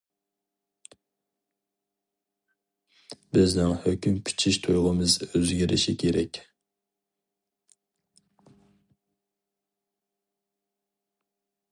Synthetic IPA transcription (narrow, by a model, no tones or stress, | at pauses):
bɪznɪŋhøkʲymkʲʰy̥t͡ʃʰiʃt̪ʰujʁəmɨzøzɡʲiɾʔɪ̰ʃikʲʰeɾɛkʲ